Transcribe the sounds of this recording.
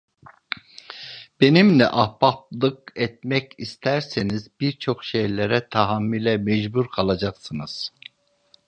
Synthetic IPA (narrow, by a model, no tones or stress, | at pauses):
b̥e̞nimlʲɛ̰ʔahpap̚lˠɯkɛt̪̚mɛcist̪ʰæɾsenizbiɾt͡ʃʰo̞kʃejlʲeɾɛt̪ʰaɦamːilʲɛmɛd͡ʒbuɾkʰalˠad͡ʒaksɯnɯz̥